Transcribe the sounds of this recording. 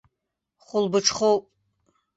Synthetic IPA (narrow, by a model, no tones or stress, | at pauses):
χʷʊlbɨʈ͡ʂʰχowpʼ